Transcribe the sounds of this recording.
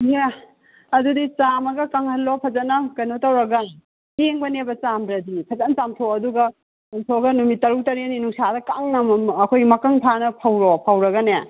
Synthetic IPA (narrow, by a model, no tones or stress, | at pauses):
ja | ɐdudit͡ʃamɐɡɐkaŋhɐlːopʰɐzɐnːɐkɐjnotɐwɾɐɡɐn | heŋbɐnebɐt͡ʃamdɾɐdipʰɐzɐnt͡ʃamtʰoɐduɡɐ | uŋtʰoɡɐnumit̚ːɐɾuk̚tɐɾeninuŋsadɐkaŋnɐmːkʰojmɐkɐŋpʰanɐpʰɐwɾopʰɐwɾɐɡɐne